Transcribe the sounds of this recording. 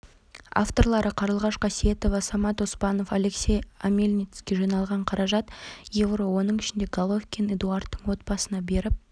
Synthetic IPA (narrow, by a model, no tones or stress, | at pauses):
ɑ̰ft̪o̞ɾlˠɑɾəqʰɑɾəlˠʁɑʃqʰɑsije̞t̪o̞vɑsɑmɑt̪ospɑno̞fale̞ksʲe̞jamʲelʲnʲit̪skʲeʒɑnɑlˠʁɑɴqʰɑɾɑʒɑt̪jevrowo̞nəɴɪʃɪnd̪e̞ɡalˠofkʲined̪uɑrt̪ːəɴwo̞t̪̚bɑsənɑbe̞ɾɪp̚